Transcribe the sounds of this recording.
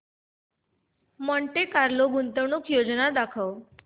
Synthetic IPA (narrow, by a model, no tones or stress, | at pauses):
məɳʈekaɾloɡunt̪əʋɳukjod͡ʒnad̪akʰəw